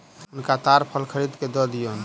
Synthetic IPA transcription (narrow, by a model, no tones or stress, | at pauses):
ʊnkat̪aɾpʰəlkʰəɾid̪ked̪əd̪ijon